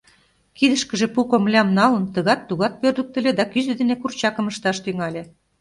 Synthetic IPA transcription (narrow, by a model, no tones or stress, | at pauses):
kid̪ə̆ʃkə̆ʒĕpukomlʲɑmnɑlə̆nt̪ə̆ɣɑt̪ːuɣɑt̪̚pørd̪ə̆k̚t̪ə̆lʲed̪ɑkyzɘ̆d̪enekurt͡ɕɑkə̆məʃt̪ɑʃt̪yŋɑlʲe